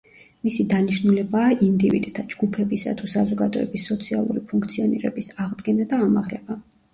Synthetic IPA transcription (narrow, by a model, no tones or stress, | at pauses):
misid̪aniʃnulɛbaːʔind̪ivḭd̪t̪ʰad͡ʒɡupʰɛbisa̰t̪ʰusazɔɡad̪ɔɛbisːɔt̪sʰia̰lˠṵɾipʰuŋkʰt̪sʰiɔniɾɛ̰bisaʁd̪ɡɛnad̪aːmaʁlɛba